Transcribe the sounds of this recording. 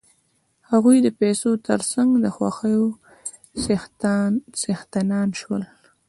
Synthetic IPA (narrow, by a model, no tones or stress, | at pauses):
haɣujd̪əpesot̪əɾsaŋɡd̪əxwa̰xəjo | s | sext̪anɑnʃwəl